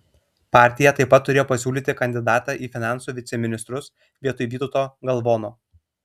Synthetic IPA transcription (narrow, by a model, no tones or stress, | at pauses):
pɑːˑɾʲt̪ʲɪjɛt̪ɐɪpːɐt̪ːʊɾʲeːjoːpɐsʲuːlʲiːt̪ʲɪkɐnʲd̪ʲɪd̪ɑːt̪ɑːʔiːfʲɪnɑˑnsuːʋʲɪt̪sʲɛmʲɪnʲɪst̪ɾʊs | ʋʲiɛt̪ʊjʋʲiːt̪ʊt̪oːɡɐlˠʋoːnoː